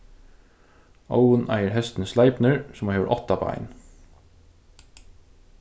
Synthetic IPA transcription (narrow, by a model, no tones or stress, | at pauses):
a̰ʊənʔæ̰ɪəɾhɛst̪n̩slɑɪpnəɹsɔmoheːʋə̰ʔɔt̪ɑpʰɑ̰ɪn